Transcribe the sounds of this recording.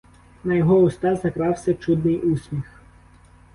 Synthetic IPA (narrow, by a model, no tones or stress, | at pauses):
nɐjɔɦɔʊst̪ɑzɐkɾɑwsʲɐt͡ʃud̪nɪjʔusʲmʲix